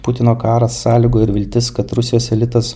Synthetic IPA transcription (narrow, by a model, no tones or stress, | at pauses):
pʊt̪ʲɪnoːkɑːɾɐsːɑːlʲɪɡoːɪɾʋʲɪlʲt̪ʲɪskɐt̪ɾʊsʲɪjoːsɛlʲɪt̪ɐs